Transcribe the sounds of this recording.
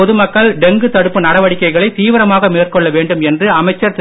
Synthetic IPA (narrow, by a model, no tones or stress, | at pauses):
ɔðɯmɐkːɐɭɖɛŋɡɯt̪ɐɽɯpːɯnɐɽɐʋɐɽɪkːɐɪɣɐɭɐɪt̪iːʋɐɾɐmaːɣɐmeːrkɔɭːɐʋeːɳɖɯmɛndrɯɐmɐɪt͡ʃːɐɾt̪